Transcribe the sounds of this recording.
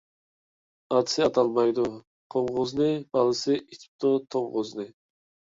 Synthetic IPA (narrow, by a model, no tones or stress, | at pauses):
ɑt̪ʰsɪɑt̪ʰɑlˠmɑjd̪ʊ | qʰoɴʁʊznɨb̥ɑlˠɨsɨʔit̪ʰi̥p̚t̪ut̪ʰoŋʁʊznɨ